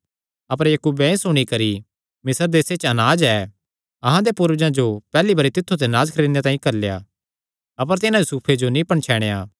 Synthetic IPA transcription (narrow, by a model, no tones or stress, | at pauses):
ɐp̬əɾjɐkuːbɛ̃ẽsʊɽ̃ikɐɾi | mɪsəɾd̪eːset͡ʃɐnaːd͡ʒɛ | ɐɦãd̪epʊɾʋd͡ʒãd͡ʒopɛːlibɐɾit̪ɪt̪ʰːut̪̬eɐnaːd͡ʒkʰɐɾeːd̪jat̪ãːĩkɐɾleja̰ | ɐp̬əɾt̪ɪnãjusuːpʰed͡ʒonĩpɐɳ̃t͡ʃʰɛːɽ̃ejaː